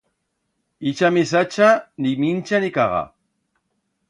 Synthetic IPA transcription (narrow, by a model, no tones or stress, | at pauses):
it͡ʃamisat͡ʃanimint͡ʃanikaʁɑ̰